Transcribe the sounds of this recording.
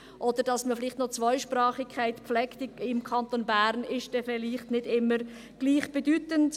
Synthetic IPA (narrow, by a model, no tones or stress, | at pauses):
ʔod̥əɾd̥ɑsməfɪlɪːχtnɔt͡svɔʏʃprɑːχɪkʰːaɪtpflɛkt̪ɪɪmkʰɑnt̪onbæɾnɪʃd̥ɛfɪliːχtnɪdɪmːəɾ | ɡ̥liːχb̥ɛdyːtənt